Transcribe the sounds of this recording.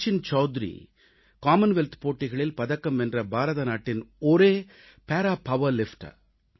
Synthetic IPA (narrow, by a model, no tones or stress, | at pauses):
t͡ʃːɪnt͡ʃɐʊd̪ɾḭ | kaːmɐnʋɛlt̪poːʈːɪɣɐɭɪlpɐðɐkːɐmɛndrɐbaːɾɐðɐnaːʈːɪnɔɾeː | peːɾaːpɐʋɐɾlɪfʈɐ̰